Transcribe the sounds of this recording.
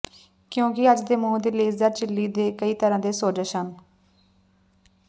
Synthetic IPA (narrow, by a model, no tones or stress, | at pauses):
kjõːkɪəd͡ʒd̪eːmũːd̪iːleːzəɾt͡ʃɪlːiːd̪eːkəiːt̪əɾãːd̪eːsoːd͡ʒəʃən